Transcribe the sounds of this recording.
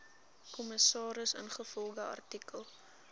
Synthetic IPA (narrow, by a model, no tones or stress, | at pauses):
kɔməsɑːɾəsə̰nχəfɔlˠdəɐ̰rtikəlˠ